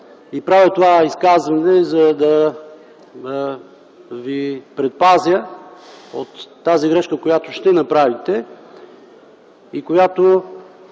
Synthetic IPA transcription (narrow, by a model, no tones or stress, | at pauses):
ipɾavjət̪ovaiskazvɐnɛzɐd̪ɐ | vipɾɛt̪̚pazʲə | ot̪ːaziɡɾɛʃkəkojat̪oʃt̪ɛnɐpɾavit̪ɛ | ikojat̪o